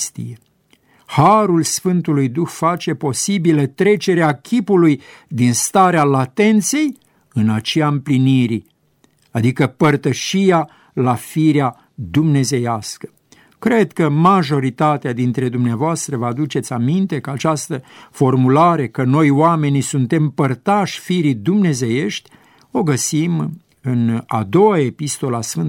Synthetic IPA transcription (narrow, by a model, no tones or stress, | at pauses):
st̪ḭje | haɾulsfɨnt̪ulujd̪uxfat͡ʃe̞po̞sibilət̪ɾe̞t͡ʃe̞ɾeakʲʰipuluj | d̪inst̪aɾealat̪e̞nt̪se̞j | ɨnat͡ʃejaɨmpliniɾi | ad̪ikəpərt̪əʃija | lafiɾea | d̪umne̞ze̞jaskə̥ | kɾe̞d̪kəmaʒo̞ɾit̪at̪ead̪int̪ɾe̞d̪umneavoast̪ɾəvad̪ut͡ʃe̞t̪sʲamint̪e̞kəat͡ʃast̪əfo̞rmulaɾe̞kəno̞joame̞nisunt̪e̞mpərt̪aʃʲfiɾid̪umne̞ze̞je̞ʃt̪ʲ | o̞ɡəsim | ɨna̰d̪o̞wae̞pist̪o̞lasfɨn